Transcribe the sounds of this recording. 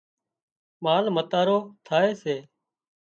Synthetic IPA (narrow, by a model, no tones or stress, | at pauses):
maːlmət̪aːɾoːt̪ʰaːeːseː